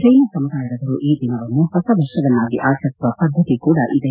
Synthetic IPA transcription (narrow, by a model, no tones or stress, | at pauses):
ɾɐjnɐsɐmud̪aːjɐdɐʋɐɾuʔiːd̪ʱinɐʋɐnːuhɔsɐʋɐʂɐʋɐnːaːɡiʔaːsɐsuʋɐpɐd̪ʱːɐt̪ikuːɽɐʔid̪e